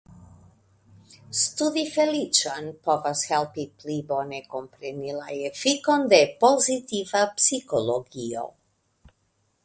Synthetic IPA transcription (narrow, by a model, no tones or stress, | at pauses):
st̪ud̪ifɛlit͡ʃanpovashɛlˠpiplibonɛkompɾɛnilˠajɛfikɔnd̪aepozit̪ivapsikoloɡio̰